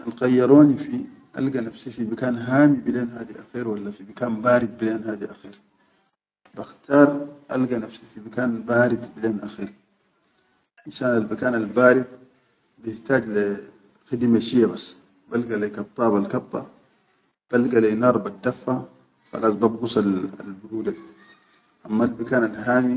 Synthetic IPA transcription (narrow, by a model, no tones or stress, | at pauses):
anɣɑjːɑɾˤoːnifi | ʔa̰lɡanafsifimakaːnɦaːmibileːnɦaːd̪iʔaxiːɾwalːafimakaːnbaːɾid̪̚bileːnɦaːd̪iʔaxiːɾ | baxt̪ɑːɾˤʔa̰lɡanafsifimakaːnbaːɾid̪bileːnʔaxiːɾ | maʃaːnalmakaːnalbaːɾid̪ | bijɪht̪aːɟli | xid̪maʃijːabasː | balɡalekɑt̪ˤːɑːbalkɑt̪ˤːɑ̰ | b̥alɡaleːnɑːɾˤbad̪ːafːa | xa̰laːsbabɡusˤala̰lbʊɾuːd̪a | ʔamːalmakaːnalɦaːmi